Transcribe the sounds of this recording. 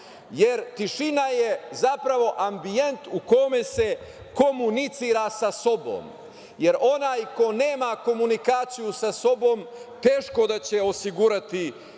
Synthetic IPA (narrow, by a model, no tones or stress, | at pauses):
je̞ɾt̪iʃinajezapɾaʋo̞ʔambije̞nt̪uko̞mese | ko̞munit̪siːɾasaso̞bo̞̰m | je̞ɾʔo̞naːjko̞ne̞ːmako̞munikaːt̪sijusaso̞bo̞ːmt̪e̞ːʃko̞d̪at͡ɕe̞o̞siɡuɾat̪i